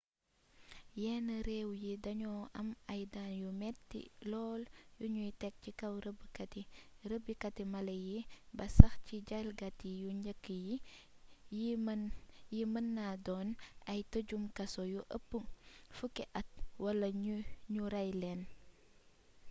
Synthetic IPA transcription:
jɛːnəɾɛːwjidɐɲɔʔɐmɐjdaːnjumɛtːḭlɔːljuɲujtɛk̚cikɐwɾəbːikɐtiɾəbːikɐtimɐlɐjibɐsɐxciɟɐlɡɐtijuɲəkːiji | i | jimənːadɔːnɐjtəɟumkɐsɔjuʔə̰pːuŋfukːɛʔɐt̚wɐlɐɲuɾɐjlɛːn

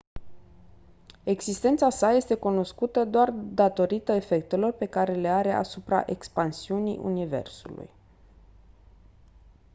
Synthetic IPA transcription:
e̞ɡzist̪e̞nt̪sasaje̞st̪e̞kuno̞skut̪əd̪oard̪at̪o̞ɾit̪əe̞fe̞k̚t̪e̞lo̞rpe̞kaɾe̞le̞aɾe̞ʔa̰supɾa̰ʔe̞kspansiunḭʔṵnive̞̰rsṵlṵj

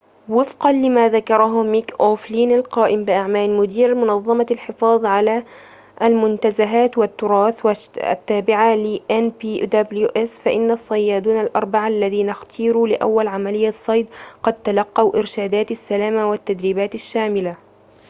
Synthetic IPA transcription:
wɪfqɑnlɪmaːðakɑɾˤɑɦʊmikʔoːfliːnalqɑːʔɪmbɪʔaʕmaːlmʊd̪iːɾmʊnɑðˤːɑmɑlħɪfɑːðˤʕala | ʔalmʊnt̪azaɦaːt̪wat̪ːʊɾˤɑːθwaa̰t̪ːaːbɪʕalɪʔanbiːd̪abluʔɪsfaʔɪnːasˤːɑjːaːd̪uːnalʔɑ̰ɾˤbaʕalːaðiːnaxt̪ʰiːɾuːlɪʔa̰wːalʕamalɪjːasˤːɑjd̪qɑd̪̚t̪alɑqːɑwʔɪɾʃaːd̪aːt̪asːalaːmawat̪ːad̪ɾiːbaːt̪aʃːaːmɪla

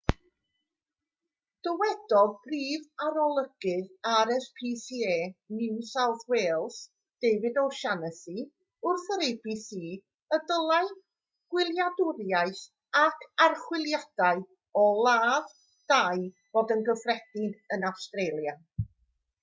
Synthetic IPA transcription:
d̥əwɛd̥ɔdbriːvaɾɔlˠəɡ̥ɪðaɾɛspʰiːsieːnɪwsawθweːlˠs | d̥ejvɨdɔʃanəsi | ʊrθəɾejbisiː | ədəlˠaɨ | ɡ̥wɪlˠjadʊɾjajθ | akʰarχwɪlˠjad̥aɨ | ɔlˠaːð | d̥aj | v̥oːdənɡəfrɛd̥ɪdənawstrejlˠja

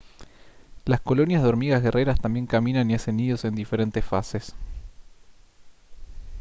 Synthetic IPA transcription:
lasko̞lo̞njazðo̞ɾmiɣazɣe̞rʔeɾast̪ambje̞ŋkamĩnaniaseniðo̞se̞nd̪ife̞ɾe̞nt̪esfases

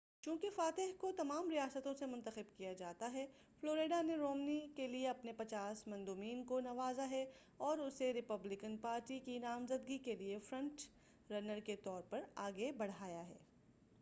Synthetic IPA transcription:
t͡ʃũːkefaːt̪ɪɦkot̪ɐmaːmɾijaːsət̪õsemʊ̃nt̪əxɪbkijad͡ʒaːt̪aɦɛ | floːɾeːɖaneɾoːmnikelieɐpnepɐt͡ʃaːsmɐ̃nd̪uːmiːnkonɐʋaːzaɦɛ | ɔːɾʊseɾɪpɐblɪkənpaːɾʈikinaːmzəd̪̚ɡikeliefɾɐ̃ɳʈ | ɾɐnəɾket̪ɔːɾpɐɾaːɡebɐɽ̤aːjaɦɛ̰ː

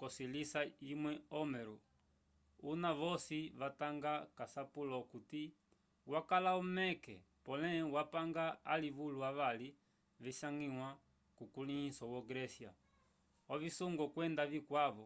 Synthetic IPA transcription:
kɔsilisaimwɛɔmɛɾu | unaʋɔsiβataŋɡakasapulɔkuti | wakalaumɛkɛ̰ | pɔlɛwapaŋɡaaliβuluaβali | viʃaŋɡiwa | kukulihisɔwɔɡɾɛsia̰ | ɔvisuŋɡɔkwɛndavikwaβɔ

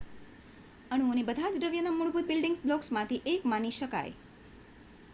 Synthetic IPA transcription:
əɽ̃ũonebəd̪ʱad͡ʒɾəʋjənamuɭbut̪̚bɪlɖɪŋɡsblɔksmãt̪ʰiʔekmaniʃəka̰j

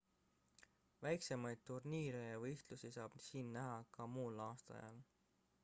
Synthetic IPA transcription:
væjksemɑjd̪̥̚t̪urniːɾejɑvɤjht̪lusisɑːb̥siːnːæɦɑkɑmuːlɑːst̪ɑ̰jɑ̰l

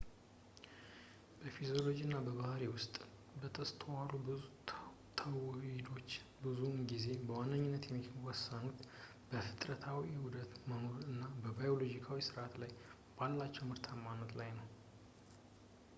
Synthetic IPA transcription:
b̥əfizo̞lo̞d͡ʒiɨnːabəβahɾiwʊst̪ʼ | bət̪ʰəst̪ʰəwaɾubɨu | t̪ʰəwid̪o̞t͡ʃː | bɨzunɡize̞bəwanːəɲːɪnːət̪jɛmːiwɔsːanut̪ | b̥əfɨt̪ʼɾət̪ʰawihud̪ət̪məmoɨnːabəbajo̞lo̞d͡ʒikʰawisɨɾʔat̪laj | b̥alːat͡ʃːɛwmɨɾt̪ʰamanət̪lajnəw

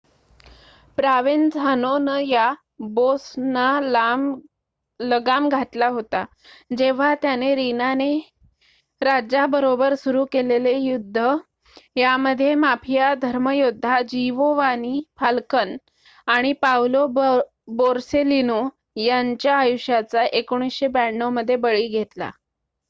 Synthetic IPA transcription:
pɾaʋend͡zʱanonəja | bosnalam | ləɡamɡʱaʈlaɦot̪a | d͡ʑeʋ̤at̪janeɾinane | ɾad͡ʑabəɾobəɾsuɾuːkelelejud̪ʱːə | jaməd̪ʱːjemapʰijad̪ʱəɾməjod̪ʱːad͡ʑiʋoʋanifalkən | aɽ̃ipawlo | boɾselino | jaɲt͡ɕjaːjuɕjat͡saʔekoɽ̃isɕebɛɳːoməd̪ʱːjebəɭiːɡʱet̪la̰

